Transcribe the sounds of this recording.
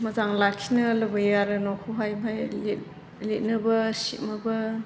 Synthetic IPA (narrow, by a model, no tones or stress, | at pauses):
mɐzaŋlakʰːinɐlɐbɐjaɾɯnɔkʰoɦajbʱajlet | let̚nɐbɐsimɐbɐ